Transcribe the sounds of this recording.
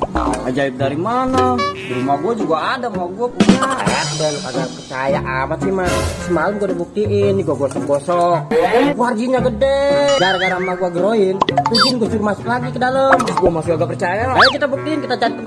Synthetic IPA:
aa̰d͡ʒaip̚daɾimanaduɾumaɡuad͡ʒuɡaːdamaɡuapua̰adɛɡapaɡapərt͡ʃaja̰ʔamasihmasəmaləmɡuadabuk̚t̪iʔɪnd͡ʒɡuaɡɔsɔkɡɔsɔhkuard͡ʒiɲaɡədɛɡaɾaɡaɾamaɡuaɡəɾoɪntud͡ʒinɡuad͡ʒuɾmasʊk̚laɡikədaləmɡuamasukaɡapərt͡ʃajaaakit̪abuk̚t̪iɪnkit̪at͡ʃait̪

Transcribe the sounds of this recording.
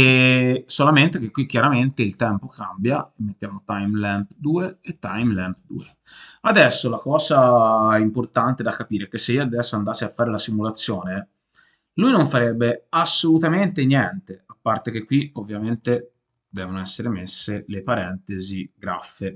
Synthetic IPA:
esolament̪ek̟ekːwik̟jaɾament̪eilt̪ɛmpokambjaemːet̪ːjaːmot̪ajmlɛmpd̪uːeːt̪ːajmlɛmp̚d̪ṵːe | ad̪ɛsːolakɔːzaimport̪ant̪ed̪akːapiːɾeɛk̟esːeiad̪ɛsːoand̪aːseafːaːɾelasimulat̪sːjoːne | lujnoɱfaɾɛbːeasːolut̪ament̪enjɛnt̪eapːart̪ek̟ekːwiovːjament̪e | d̪ɛːvonoɛsːeɾemesːelepaɾɛnt̪eziɡɾa̰fːe

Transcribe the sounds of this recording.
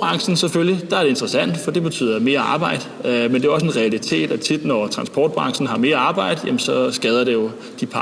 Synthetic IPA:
ɑ̈ŋsn̩seføljid̥ɑ̈æɐɾe̝end̥ʁɐsæn̰d̥fɒ̽d̥e̝b̥e̝t͡sʰy̰ːðˠɐme̝ːɐɑ̈ːb̥ɑ̈ɪ̰d̥mend̥e̝æɒ̽se̝nʁɛælit͡sʰe̝̰ːd̥æt͡sʰid̥nɒt͡sʰʁɑ̈nsb̥ɒ̰ːd̥̚b̥ʁɑ̈ŋsn̩ɦɑ̈me̝ːɐɑ̈ːb̥ɑ̈ɪ̰d̥jæmnsɒ̽sɡ̥ɛːð̞ˠɐɾ̥e̝jo̝ | d̥ipʰɑ

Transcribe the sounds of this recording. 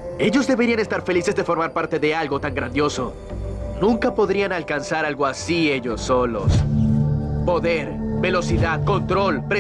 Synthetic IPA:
e̞ʝo̞zðe̞βe̞ɾianest̪aɾfe̞lise̞zðe̞fo̞ɾmaɾpaɾt̪e̞ðe̞alɡo̞t̪aŋɡɾand̪jo̞so̞ | nũŋkapo̞ðɾianalkansaɾalɣo̞asie̞ʝo̞sːo̞lo̞̰s | po̞ðe̞ɾbe̞lo̞siðaðko̞nt̪ɾo̞lpɾe

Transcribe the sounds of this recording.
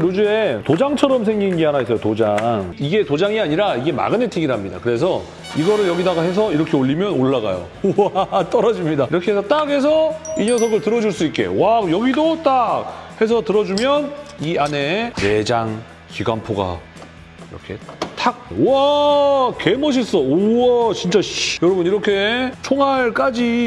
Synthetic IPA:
ɾod͡ʑue̞tod͡ʑaŋt͡ɕʰʌɾʌms̬ʰeŋɡinɡeanais͈ʰʌjotod͡ʑaŋiɡe̞tod͡ʑaŋiaɲiɾaiɡe̞ma̰ɡɯnetʰiɡiɾamɲida̰kɯɾe̞sʰʌ | iɡʌɾɯɭjʌɡidaɡahe̞s̬ʰʌiɾʌkʰe̞oɭʎːimjʌnoɭːaɡa̰jo̰ | at͈ʌɾʌd͡ʑimɲidaiɾʌkʰeɦesʰʌt͈ake̞s̬ʰʌiɲʌsʰʌɡɯɭtɯɾʌd͡ʑuɭs͈uit̚k͈e̞̰wajʌɡidot͈ak̚he̞s̬ʰʌtɯɾʌd͡ʑumjʌniane̞ne̞d͡ʑaŋ | kiɡampʰoɡa̰ | iɾʌ̰kʰe̞̰t͈ʰak̚wa | ke̞mʌɕ̬ʰis͈ʌoat͡ɕint͡ɕ͈aɕjʌɾʌbɯniɾʌkʰe̞t͡ɕʰoŋaɭk͈ad͡ʑi

